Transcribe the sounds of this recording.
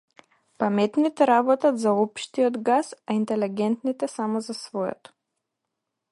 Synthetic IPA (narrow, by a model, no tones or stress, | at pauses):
pamɛt̪nit̪ɛɾabɔt̪ad̪zaɔpʃt̪iɔd̪ɡasaint̪ɛlɛɡʲɛnt̪nit̪ɛsamɔzasvɔjɛ̰t̪ɔ̥